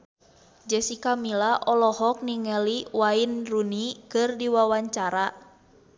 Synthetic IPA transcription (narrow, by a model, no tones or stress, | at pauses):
d͡ʒɛsikamilaʔɔlɔhɔk̚niŋɛliwainrunikɨrdiwawaɲt͡ʃaɾa